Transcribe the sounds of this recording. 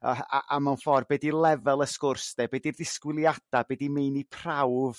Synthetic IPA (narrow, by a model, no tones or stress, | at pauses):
əa̰ʔamawnfɔrbɛdilˠɛvɛlˠəskʊrsdɛbeːdirdɪskwɪlˠjad̥abeːdimejnipʰrawv